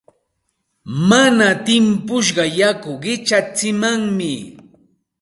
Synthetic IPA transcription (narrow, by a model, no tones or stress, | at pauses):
manat̪ɪmpʊʃ̬ɢɑjakʊɢɪt͡ʃat͡sɪmaŋmɪ